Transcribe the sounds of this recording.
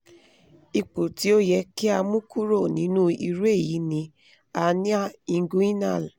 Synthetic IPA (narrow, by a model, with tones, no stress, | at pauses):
i˧k͡po˨ti˨˦o˦jɛ˧ki˦a˧mũ˦kʰu˦ɾo˦˨nĩ˨˦nũ˦ḭ˧ɾu˦e˦˨ji˨˦nĩ˧˦ | a˧nĩ˦a˦˨i˧ŋ˦ɡũ˦i˦nã˦˨l